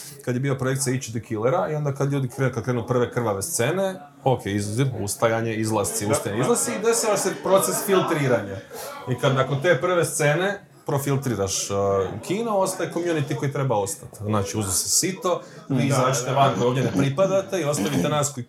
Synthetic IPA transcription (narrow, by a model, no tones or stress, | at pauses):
kad̪jebiːlapɾoe̞k̚t̪siait͡ʃid̪okʰileɾaio̞nd̪akad̪ʎuːd̪ikɾenkad̪kɾeːnupr̩ʋe̞kr̩ʋaʋe̞st̪se̞ne̞ | okʰeizuzimṵst̪ajaɲe̞izlˠast̪siust̪ajaɲeizlˠast̪siid̪e̞saʋaʃsepɾo̞t̪se̞sfilˠt̪ɾiːɾaɲaikad̪nako̞nt̪e̞ːpr̩ʋe̞st̪se̞ne̞ | pɾo̞filˠt̪ɾiːɾaʃkʰiːnoo̞st̪ajko̞mjunit̪iko̞jit̪ɾe̞bao̞st̪at̪znaːt͡ʃiuznosesit̪o̞izaːt͡ʃi̥t̪eʋankojoʋd̪ʲjenepɾipad̪at̪e̞io̞st̪aʋit̪enaːsko